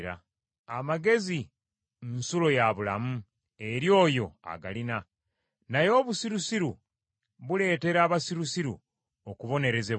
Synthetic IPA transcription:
ɾa̰ | amaɡe̞zi | nsulo̞jaβula̰mu | e̞ɾjo̞ːjo̞a̰ɡa̰lina | najo̞ːβusiɾusiɾu | βule̞ːte̞ɾaːβasiɾusiɾṵ | okuβo̞ne̞ɾe̞zeβ

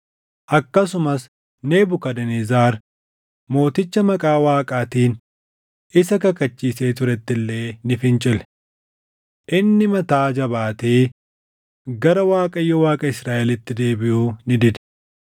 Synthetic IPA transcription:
ʔɐkːɐsʊmɐs | ne̞ːbʊkɐd̪ɐnezaːɾ | mo̞ːt̪ɪt͡ʃːɐmɐkʼaːwaːkʼaːt̪iːn | ʔɪsɐkɐkɐt͡ʃːiːse̞ːt̪ʊɾɛt̪ːɪlːe̞ːnɪfɪnt͡ʃʼɪlɛ | ʔɪnːɪmɐt̪aːd͡ʒɐbaːt̪eː | ɡɐɾɐwaːkʼɐjːɔwaːkʼɐɪsɾaːʔɛlɪt̪ːɪd̪e̞ːbɪʔuːnɪd̪ɪd̪̥

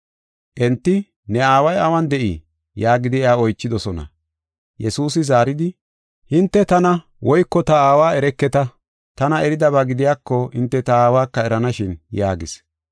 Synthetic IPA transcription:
ʔɛnt̪ːɪ | nɛaːwɐjɐwɐnd̪ɛʔɪ̰ | jaːɡɪd̪ɪɛaːɔjt͡ʃːɪd̪ɔsɔnɐ̰ | jɛsuːsɪzaːɾɪd̪ɪ | hɪnt̪ːɛt̪ɐnɐ | wʔɔjkːɔt̪ɐaːwaːɛɾɛkːɛt̪ɐ | t̪ɐnɐɛɾɪd̪ɐβaɡɪd̪ɪjaːkːɔɪnt̪ːɛt̪ɐaːwaːkːɐɛɾɐnɐʃɪnjaːɡɪ̰s

